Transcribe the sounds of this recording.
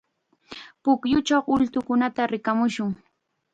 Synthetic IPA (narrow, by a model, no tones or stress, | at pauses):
pʊkjʊt͡ʃawʊlt̪ʊkʊnat̪aɾɪkamʊʃʊŋ